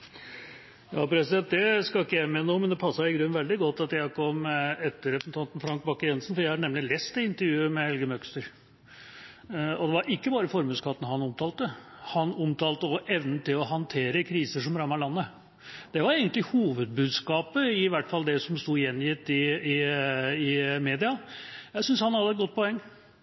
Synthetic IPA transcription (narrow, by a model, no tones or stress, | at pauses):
jɑːpʰɾɛsɪd̪ɛnt̪̚d̪ɛskɑɪkːəjæɪmɛnumɛnd̪ɛpʰɑsːɑɪɡɾʉnːʋɛld̪ɪɡɔt̪ːɑt̪jæɪhɑkʰɔmɛt̪ːəɾɛpsn̩t̪ʰɑnt̪n̩fɾɑŋk̚bɑkːəjɛnsnfɔɾjæɪhɑɳɛmlɪlest̪ɛɪnt̪əɾjʉːəmɛhɛlɡəmœkst̪əɾ | ɔd̪ɛʋɑɾʔɪkːəbɑːɾəfɔɾmʉːskʰɑːp̪ənəhɑnɔmt̪ʰɑːlt̪ːə | hɑnʊmt̪ʰɑːlt̪əɔʔɛʋnən̩t̪ɪlɔɦɑnt̪ʰeːɾəkʰɾiːsəʂɔmɾɑmːɑɾlɑnːə | d̪̥ɛʋɑɾeɡənt̪lɪhuːʋəd̪̚bʉːd̪skɑːpəɪʋæʈːfɑld̪ɛsɔmst̪uːɪjɛnjɪt̪ːɪɪɪmeːd̪ɪɑjæɪsʏnshɑnhɑd̪əɛt̪̚ɡɔt̪̚ːpʰɔɛŋː